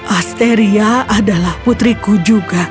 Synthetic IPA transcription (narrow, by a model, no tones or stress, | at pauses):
ʔast̪eɾiaʔadalahput̪ɾikud͡ʒuɡa